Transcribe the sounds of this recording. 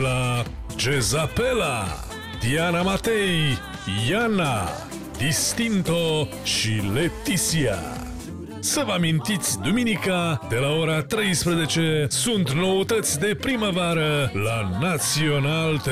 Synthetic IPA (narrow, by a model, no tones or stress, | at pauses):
la | d͡ʒe̞zape̞la | d̪ianamat̪ej | jana | d̪ist̪int̪o | ʃilet̪isia̰ | səvəamint̪it̪sʲd̪uminikad̪e̞laoɾat̪ɾe̞jspɾeze̞t͡ʃe̞sunt̪no̞ot̪ət̪sʲd̪e̞pɾiməvaɾəlanat̪sio̞nald̪